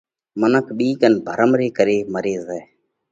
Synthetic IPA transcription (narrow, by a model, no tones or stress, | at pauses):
mənəkʰɓiːkənbʱəɾəmɾeːkəɾeːməɾeːzɛː